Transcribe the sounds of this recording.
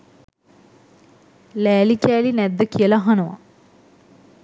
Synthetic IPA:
læːlikʲæːlinɛd̪ːəkijəlɐɦɐnɐʋa̰

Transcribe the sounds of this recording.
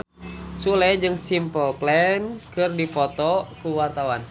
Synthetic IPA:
sulɛd͡ʒɨŋsimpəlplɛnkɨrdipɔt̪ɔkuwart̪awan

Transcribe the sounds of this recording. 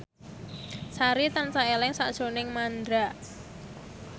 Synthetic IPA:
saɾit̪ansaelɛŋsaʔd̥ʒ̥o̤nɪŋmand̪ɾa

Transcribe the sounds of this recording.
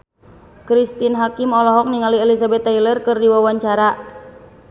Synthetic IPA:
kɾist̪inɦakimɔlɔɦɔk̚niŋaliɛlisabɛt̪ːailərkɨrdiwawaɲt͡ʃaɾa

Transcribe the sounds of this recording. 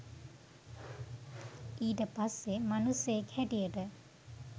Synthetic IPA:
iːʈəpasːemanusːejekhɛʈijəʈə

